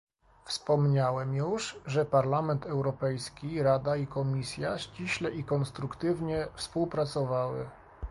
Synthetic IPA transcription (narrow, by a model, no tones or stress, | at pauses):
fspɔmɲawɛmjuʂʐɛpaɾlamɛnt̪ɛwɾɔpɛjskʲiɾad̪aikɔmʲisʲjaɕt͡ɕiɕlɛʔikɔnst̪ɾukt̪ɘvɲɛfspuwpɾat̪sɔvawɘ̰